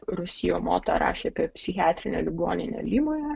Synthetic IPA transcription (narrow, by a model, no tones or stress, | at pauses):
ɾʊsʲɪjoːmo̰ːt̪o̰ɾɑ̰ːʃʲeːɐpʲiɛpʲsʲɪxʲɑːt̪ʲɾʲɪnʲɛlʲɪɡoːnʲɪnʲɛ̰lʲiːmoːjɛ